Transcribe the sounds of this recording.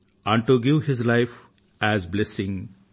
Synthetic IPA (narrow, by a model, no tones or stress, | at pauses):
ãɳʈuɡɪʋhɪzlaɪf | æzblesɪ̃ŋ